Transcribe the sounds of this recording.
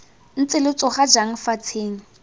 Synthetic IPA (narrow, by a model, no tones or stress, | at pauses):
n̩t͡sɪlɪt͡sʼɔχad͡ʒaŋ̩fat͡sʰeːŋ̩